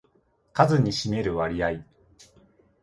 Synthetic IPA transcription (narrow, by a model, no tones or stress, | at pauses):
kazɨɲ̟iɕime̞ɾɯ̟βaɾʲiai